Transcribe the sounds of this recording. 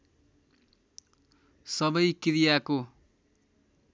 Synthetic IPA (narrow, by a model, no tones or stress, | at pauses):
sʌbʌjkiɾijako